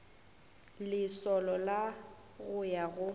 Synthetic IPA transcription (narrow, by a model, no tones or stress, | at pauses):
lɪsɔlɔla | ɣʊjaɣʊ